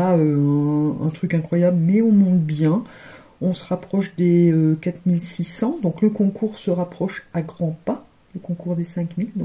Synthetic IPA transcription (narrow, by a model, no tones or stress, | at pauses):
aø̃ | ɛ̰̃t̪χykɛ̃kχwajablmɛɔ̃mɔ̃t̪bjɛ̃ | ɔ̃səʁapχɔʃd̪eøkat̪milsisɑ̃d̪ɔ̃kləkɔ̃kuʁsəʁapχɔʃaɡʁɑ̃pa | ləkɔ̃kuʁd̪esɛ̃kmild̪ɔ̃k